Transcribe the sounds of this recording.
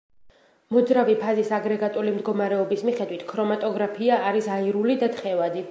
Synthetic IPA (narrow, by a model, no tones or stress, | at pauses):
mɔd̪zɾavipʰazisaɡɾɛɡat̪ʼulimd̪ɡɔmaɾɛɔbismiχɛd̪wit̪ʰkʰɾɔmat̪ʼɔɡɾapʰiaːɾisaiɾulid̪at̪ʰχɛvad̪i